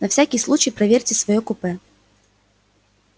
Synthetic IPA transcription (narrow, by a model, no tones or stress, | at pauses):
nɐfsʲækʲɪjslˠut͡ɕɪjpɾɐvʲeɾʲtʲɪsvɐjokʊpɛ